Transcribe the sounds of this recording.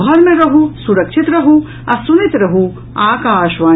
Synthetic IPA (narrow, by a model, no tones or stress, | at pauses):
ɦɐɾmẽɾɐɦusuɾɐkʃit̪ɾɐɦu | ɐsunɪt̪ɾɐɦu | aːkaːʃʋaː